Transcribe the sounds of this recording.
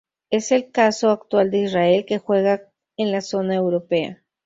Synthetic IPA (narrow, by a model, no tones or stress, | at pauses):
eselkasoakt̪wald̪eisraelkexweɣak̚ | enlasonaewɾopea̰